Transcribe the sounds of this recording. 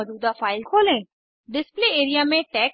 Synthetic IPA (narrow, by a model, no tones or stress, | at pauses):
ɐd̪uːd̪afaːɪlkʰoːlẽ | ɖɪspleeːɾijamẽʈɛːk